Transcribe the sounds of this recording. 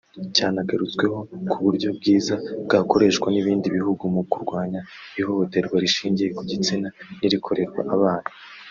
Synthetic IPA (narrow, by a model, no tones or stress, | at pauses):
caːnaɡaɾut͡skwe̞ho̞kʰuβuɾɟo̞b̚ɡiːzabɡako̞ɾe̞ːʃkwaniβiːndiβihuɡumukuɾɡwaːɲaiho̞ho̞te̞ɾɡwaɾiʃiːɲɟije̞kuɟit͡sinaniɾikʰo̞ɾe̞ɾɡwa̰ʔaβaːna